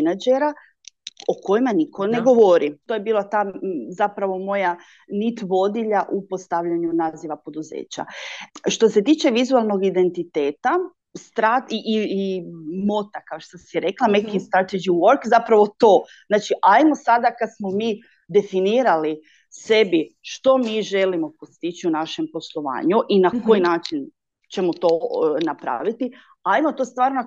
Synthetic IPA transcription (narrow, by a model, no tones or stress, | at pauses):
nad͡ʒeɾa | o̞ko̞jimanikʰoneɡo̞ʋo̞ɾit̪o̞ːje̞biːlˠat̪aːzapɾaʋo̞mo̞ja | nit̪ʋo̞d̪iʎaʔupost̪aʋʎaɲunaːziʋapo̞d̪uzḛːt͡ɕa̰ʃt̪o̞se̞t̪iːt͡ʃe̞ʋizualˠnoɡid̪e̞nt̪it̪e̞ːt̪a | st̪ɾat̪iʔː | mo̞t̪akaoʃt̪osieɾe̞klˠamekinst̪ɾat̪ed͡ʒiwo̞ɾkzapɾaʋo̞t̪o̞ːznaːt͡ʃiʔajmo̞sad̪akad̪smo̞miː | d̪e̞finiːɾali | se̞biʃt̪o̞miːʒe̞limo̞post̪it͡ʃiunaʃe̞mpo̞slˠoʋa̰ːɲuʔinako̞jinaːt͡ʃin | t͡ʃe̞mot̪o̞napɾa̰ʋit̪i | ajmo̞t̪oːst̪ʋaːɾno